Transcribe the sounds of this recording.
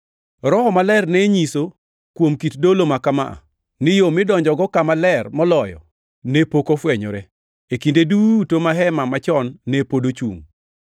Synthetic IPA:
ɾɔhɔmalɛrneɲiso | kwomkitdolomakama̰ʔa̰ | nɪjomɪdɔɲd͡ʒɔɡɔkamalɛrmɔlɔjɔ̰ | nepokofwɛɲɔ̰ɾɛ | ekindedutomaɦɛmamat͡ʃɔnːepodot͡ʃṵŋ

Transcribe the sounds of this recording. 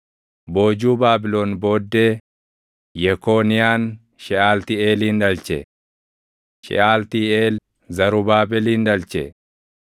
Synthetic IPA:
bo̞ːd͡ʒuːbaːbɪlo̞ːnbo̞ːd̪ːeː | jɛko̞ːnɪjaːn | ʃɛaːlt̪ieːliːnᶑɐlt͡ʃɛ | ʃɛ̰ʔaːlt̪iːeːl | zɐɾʊbaːbɛliːnᶑɐlt͡ʃɛ̰

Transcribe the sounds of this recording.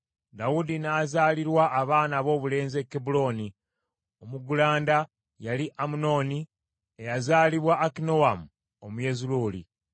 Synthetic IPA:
d̪awudinaːzaːliɾwaʔːβaːnaβo̞ːβule̞ːnzekːebulo̞ːni | omuɡulaːnda | jaliʔamuno̞ːni | ejazaːliβwaʔːkino̞wamu | omuje̞zuluːlḭ

